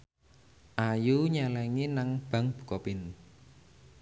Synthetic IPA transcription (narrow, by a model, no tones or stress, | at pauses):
ʔajuɲalɛŋinaŋb̥a̤ŋb̥ṳ̥kɔpɪn